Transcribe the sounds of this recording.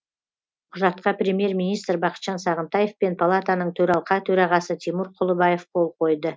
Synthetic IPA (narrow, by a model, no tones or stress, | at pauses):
qʰʊʒɑt̪qɑpɾʲemje̞ɾmʲijnijst̪ɾbɑqə̥t̪ʃɑnsɑʁənt̪ɑje̞fpe̞npʰalˠat̪anəɴt̪ʰɵɾɑlˠqɑt̪ʰɵɾɑʁɑsət̪ʰimuɾqʰʊlˠəbɑjefqʰo̞lˠqʰo̞jd̪ə